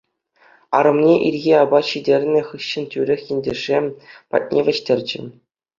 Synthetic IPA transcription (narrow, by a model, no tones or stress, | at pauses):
ɑ̰ɾɤ̆mnʲeʔirʲɣʲiɑbɑɕidʲerʲnʲɘ̆χɯɕːɘ̆ntʲyɾʲɘ̆xʲjɘ̆nʲdʲĕʐepɑ̰t̚ʲnʲʔeʋʲɘ̆ɕtʲerʲd͡ʑɘ̆